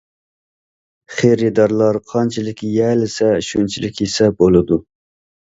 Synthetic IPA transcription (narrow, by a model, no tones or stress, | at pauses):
χeɾɨd̪ɑɾlˠɑɾqʰɑnt͡ʃʰilˠɪkʲʰjɛːlɪsɛʃunt͡ʃʰilɪkʲisɛbolˠɨd̪u